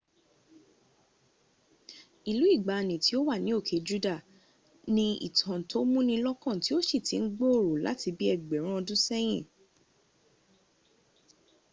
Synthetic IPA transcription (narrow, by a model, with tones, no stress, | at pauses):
i˨lu˨˦i˦˨ɡ͡ba˨nĩ˨ti˨˦o˦wa˦˨nĩ˨˦o˦˨kʰe˨˦d͡ʒu˦da˦˨ | nĩ˦ḭ˦˨tʰã˨to˨˦mũ˦nĩ˧lɔ˦kã˦˨ti˦o˦ʃi˦˨ti˨n̩˦ɡ͡bo˦o˦˨ɾo˨la̰˨˦ti˧bi˦ɛ˦˨ɡ͡bɛ˨˦ɾ̃ã˦˧dũ˦sɛ˦j̃ĩ˦˨